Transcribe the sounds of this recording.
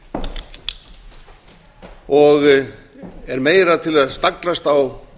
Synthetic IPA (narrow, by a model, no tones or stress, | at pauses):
ɔɣ | ɛɾmeːjɾat̪ʰɪlaðst̪aklast̪aw